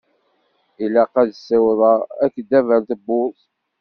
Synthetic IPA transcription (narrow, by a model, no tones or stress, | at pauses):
ilæqæðsːæwðˤɑækːd̪ːævælt̪əbːʊ